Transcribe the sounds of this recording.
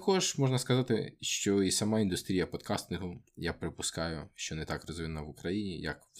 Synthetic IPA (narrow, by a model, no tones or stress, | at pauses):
ɐkɔʒmɔʐnɐskɐzɑt̪ɪ̰ʃt͡ʃɔisɐmɑind̪ʊst̪ɾʲijɐpɔd̪kʰɑst̪knɪɦʊjapɾɪpʊskɑjʊʃt͡ʃɔnɛt̪ɑkrɔzinnɐʋʊkɾɐjinʲḭjɐ̰k